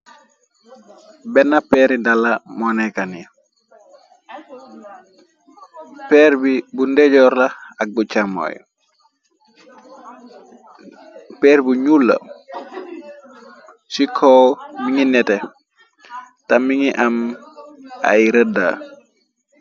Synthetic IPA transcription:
bɛnːapɛɾidalːamɔnɛkani | pɛːɾbibundɛɟɔːɾlaak̚but͡ʃamɔ̰j | pɛːɾbuɲulːɐ̰ | sikʰɔwmiŋinɛtɛ | tamiŋiʔam | a̰jɾəda̰

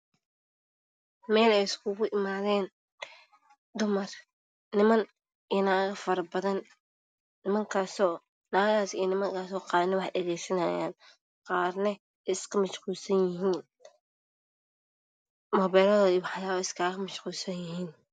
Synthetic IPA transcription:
mɛːlɛjɪskʰʊɣʊʔɪmaːðɛːn | d̪ʊmɐrː | ɪmɐn | ɪnaːɣɐfɐɾɐbɐðɐnː | ɪmɐŋkʰaːsɔː | naːɣaːsijnɪmɐŋkʰaːsɔːqɑːðnɛwɑħɗɐɣɛjsɐnɐːja̰ːn | qɑːrnɐ | ʔɪskʰɐmɐʃquːlsɐnjɪɦiːn | mɔβɛːlɐðɔiwɑħjaːɪskʰaːɣɣɐmɐʃquːlsɐnjɪɦiːn

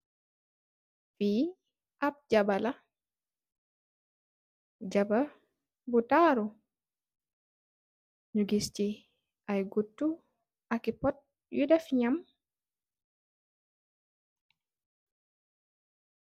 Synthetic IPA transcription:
fi | ʔap̚d͡ʒabala | d͡ʒaba | butaɾɔ | ɲuɡist͡ʃi | ʔajɡotːu | ʔakipɔt̚ | wudafɲam

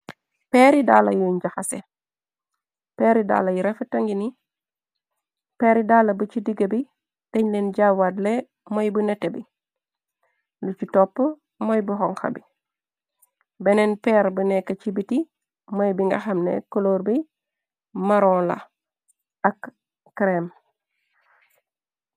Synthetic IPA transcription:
peɾidala̰juɲɟaxasḛ | peːɾida̰ːlɐjuɾefɐtɐŋɡini | peɾidaːlɐbət͡ʃidiɡɐbi | d̥eɲlenɟawadle | mojbunetebi | lut͡ʃitopːə | mojbuɦɔŋxa̰bi | benenpeɾbunekːɐt͡ʃibiti | mojbiŋɡɐxɐmnḛkoloɾbi | maɾoːla̰ | ak | kɾem

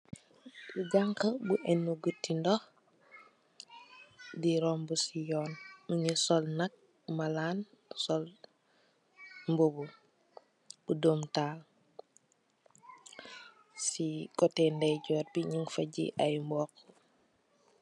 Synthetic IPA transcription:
buɡaŋkəbuʔɛnːuɡətːindɔx | diɾɔmbusijɔːnmuɲəsɔlnɐk̚ | malaːnsɔl | mbobu | budomtaːl | sikɔtɛndɐjɟɔːt̚biɲiŋfɐɟḭʔajmbɔːk

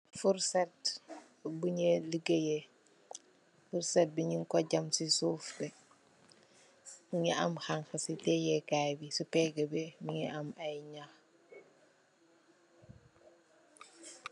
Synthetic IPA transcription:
fuɾsɛt̚ | buɲeləɡəjɛ | fuɾsɛt̚biɲiŋkɔɟɐmsisuːfbɛ | buŋɛʔɐmxaŋxɐsitɛjɛkajbisupɛɡəbɛmiŋɛʔɐmɐjɲax

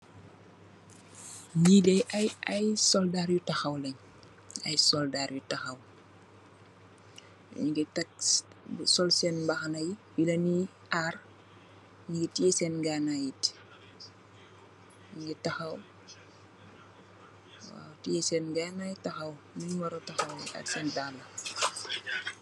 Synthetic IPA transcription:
ɲilɛʔɐjɐjsɔldaːɾjutɐxɐwlɛɲ | ɐ̰jsɔldaːrjutɐxɐw | ɲiɡɛtɐk | sɔlsɛnbɐxɐnajiwilɐni | ʔar | ɲiɡitiɛsɛnɡaːnajit | ɲiɡɛtɐxɐw | wa̰ːwtijɛsɛnɡanajitɐxɐw | nɐɲwɐɾɐwtɐxɐwɐ̰sɛndaːlːɐ

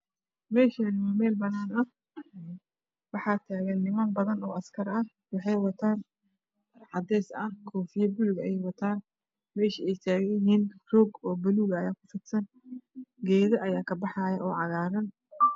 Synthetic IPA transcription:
mɛːʃɐnɪmɐmɛːlbɐnaːnɐh | wɑħɑːt̪ʰaːɣɐnːɪmaːnbɐðɐnɔːʔɐskʰɐɾɐh | wɑħɑjwɑt̪ʰaːn | ʕɑd̪ɛːsɐhkʰɔːfɪjɐbʊlɣɐɛjwɐt̪ʰaːn | mɛːʃɪɛjt̪ʰaːɣɛjɦɪːnrɔːɡɔːbɐluːɣɐːjaːkʰʊfɪt̪sɐn | ɡɛːðɐʔɐjaːkʰɐbɑħɑjɐʔɔːʕɑɣaːɾɐn

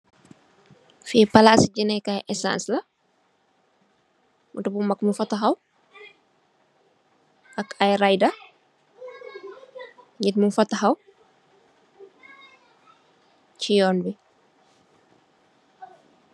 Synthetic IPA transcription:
fiːpalasɟinɛkajʔɛsã̰ːnslɐ | mutubumɐkmufɐtːaxaw | ʔakajɾajda | ɲitmunfɐtːaxaw | t͡ʃijɔːnbi

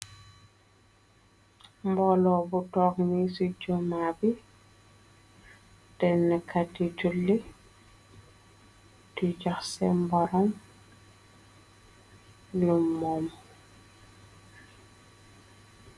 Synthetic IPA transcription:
mbɔlɔbutɔːknisud͡ʒɔmabi | d̥ɛnːɛkʰatːitulːi | tid͡ʒaxsɛmbɔɾɔm | lumːɔm

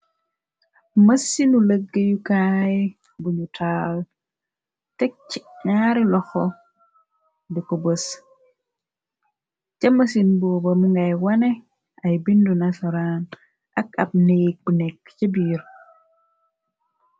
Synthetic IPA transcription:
masːinuləɡːejukaj | buɲutʰal | tek̚t͡ʃːiŋaːɾilɔxo | dikobəs | t͡ʃamasinboːbomuŋɡajwane | ajbindunasaɾan | ʔakab̚neːk̚bunekt͡ʃebiːɾ

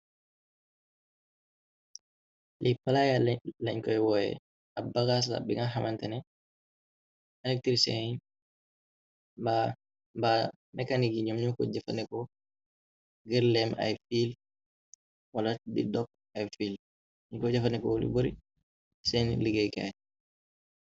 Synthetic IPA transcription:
lʔipalajallaɲkɔɛwɔjɛ̰ | abaɡas̬la̰biŋɡaɦamantɛnɛ | alɛk̚tiɾsɛ̰ɲ | ba | ba | nɛkaniɡiɲumɲukɔ̰d͡ʒafa̰nɛkɔ | ɡɛɾlɛma̰jfil | waladḭdɔk̚ | ajfil | iɲkɔd͡ʒafanɛkɔlḭboɾi | sɛnliɡɛjka̰j

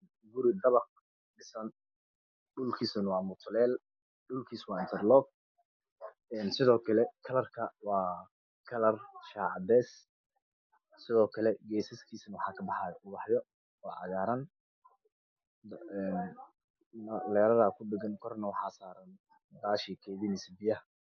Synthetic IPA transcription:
ɡʊɾɪd̪ɐβɑq̚ | ɖɪsɐn | ɖʊlkʰiːsɐnwɑːmʊt̪ʰʊlɛːl | ɖʊlkʰiːswɑːɪnt̪ʰɛrlɔːɡ̚ | ɛːnsɪðɔːkʰɐlɛkʰɐlɐrkʰɐwɑː | kʰɐlɐrʃaːʕɑd̪ɛːs | sɪðɔːkʰɐlɛɡɛːsɪskʰiːsnwɑħɑːkʰɐbɑħɑːjʊbɑħjɔ | ɔːʕɑ̰ɣaːɾɐn | nː | ɐlɛːɾɐðaːkʰʊɖɪɡɐnkʰɔrnɐwɑħɑːsaːɾɐn | d̪aːʃiːkʰɛːðɪnɪsbɪjɐ

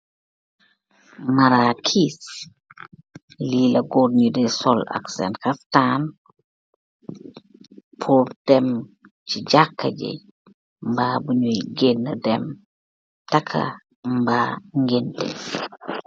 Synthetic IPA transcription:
maɾakʰis | lilɐɡoɾɲudɛsɔla̰ksɛ̰ntkaftan | pʰuɾd̥ɛm | t͡ʃid͡ʒakːaɟɛ̰ | mbabuɲojɡenːadɛm | takʰa̰ | mbaːŋɡentɛ̰

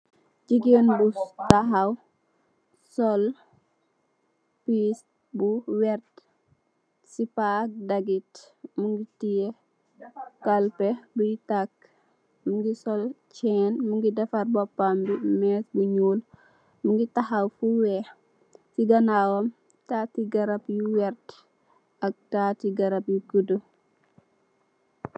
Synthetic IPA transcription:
d͡ʒiɡenbutaɦaw | sɔl | pis | buwɛrt | sipaːk̚dɐɡit | muŋɡitije | kɐlpɛbujitak | muŋɡisɔlt͡ʃɛːnmuŋɡidɛfɐɾbɔpːambimɛːsbuɲuːl | muŋɡitahawfuwɛ | siɡɐnawɐm | tatiɡɐɾɐpjuwɛɾt | ɐk̚tatiɡɐɾɐp̚jukudə

